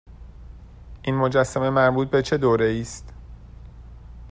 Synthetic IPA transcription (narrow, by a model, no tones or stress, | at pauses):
ʔiːnmo̞d͡ʒæsːæme̞mæɾbuːt̪̚be̞t͡ʃʰe̞d̪oːɾeiːst̪